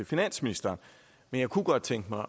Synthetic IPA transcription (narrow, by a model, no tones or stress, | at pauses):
efinæn̰sminisd̥ɐːn | menjɑ̈ɪkʰuɡ̥ɒ̽d̥̚t͡sʰeŋ̰ɡ̥əmɑ̈ɪ